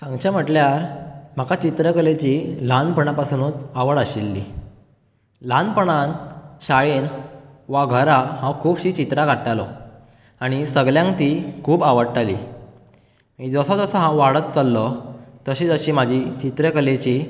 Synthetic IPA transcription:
sãŋɡt͡ɕam̤əʈljaɾm̤akat͡ɕit̪ɾəkəlet͡ɕilanpəɳ̃apasunuːt͡saʋəɽəɕilːḭ | lanpəɳanɕaɭinʋaɡʱəɾaɦãkʰuːbɕiːt͡ɕit̪ɾakaʈːalɔ | aɽ̃isəɡljãŋkt̪iːkʰuːbaʋəɽʈalḭ | mid͡zəsɔd͡zəsəɦãʋaɽət̪̚t͡salːɔt̪əɕiːd͡zəɕiːm̤ad͡ʑʱit͡ɕit̪ɾəkəlet͡ɕi

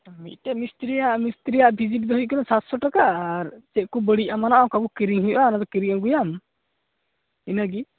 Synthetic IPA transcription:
mḭt̪̚tɛmist̪ɾijaʔmist̪ɾijaʔbʱid͡ʒit̚d̪ɔɦuc̚kɔnasat̪sɔʈakaaɾt͡ʃɛʔ̚kɔbəɽiʔamanaʔɔkabɔkiɾiŋɦujʔanad̪ɔkiɾiŋaŋɡujam | inaɡi

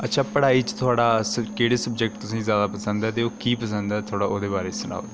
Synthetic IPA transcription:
ətːʃʰaːpəɽaːiːt͡ʃt̪ʰʊaːɽaːskeːɽeːsəbd͡ʒɛk̚ʈ̚t̪ʊsĩːzjaːd̪aːpəsə̃nd̪ɛːt̪eːoːkiːpəs̬ə̃nd̪ɛːt̪ʰoːɽaːʔoːd̪eːbaːɾeːsəna̰ːd̪eː

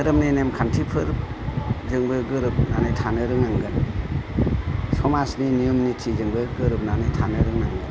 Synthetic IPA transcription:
ɯɾɯmninemkʰantʰipʰɯɾ | zɯŋbɯɡɯɾɯp̚nanɯjtʰanɯɾɯŋaŋɡɯn | sɔmasninijumnitʰizɯŋbɯɡɯɾɯp̚nanɯjtʰanɯɾɯŋaŋɡɯn

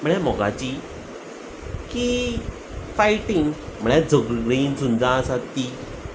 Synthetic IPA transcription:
m̤əɭ̃jãm̤ɔɡa̰t͡ɕi | ki | faiʈĩŋɡm̤əɭjãd͡zʱəɡɡɭiːnsund͡zãsat̪ːi

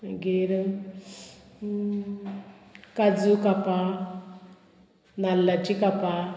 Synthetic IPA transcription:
ɡeɾə | kad͡zukapa | nalat͡ʃikapa

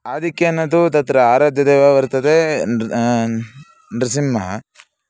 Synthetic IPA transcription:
aːd̪ʱikːjɐnːɐt̪ut̪ɐt̪ɾɐaːɾaːd̪ʱjɐd̪eːʋaːʋɐɾt̪ɐd̪e | nɾɐsimːɐɦɐ

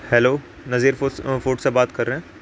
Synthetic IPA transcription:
hɛloː | nɐziːɾfoːʈsebaːt̪kɐɾːeɦɛ̃ː

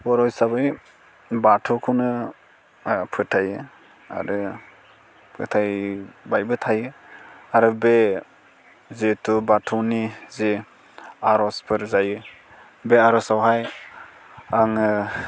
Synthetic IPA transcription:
wɔɾɔjsabɯj | batʰɔkʰɔnɯ | pʰɯtʰajɯ | a̰ɾɯ | pʰɯtʰajbajbɯtʰajɯaɾɯbe | zetʰubatʰɔnize | aɾɔspʰɯɾzajɯ | beaɾɔsawɦaj | aŋɯ

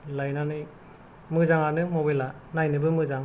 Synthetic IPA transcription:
lajnanɯj | mɯzaŋanɯmobela | najnɯbɯmɯzaŋ

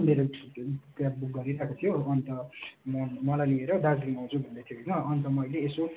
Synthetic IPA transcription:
meɾotabuk̚ɡʌɾiɾʌɦekot̪ʰijoʌnt̪ʌmʌnmʌlajlieɾʌd̪ad͡zɾiŋaw̃t͡sʰubʱʌnd̪et̪ʰjoenʌʌnt̪ʌmʌjleːso

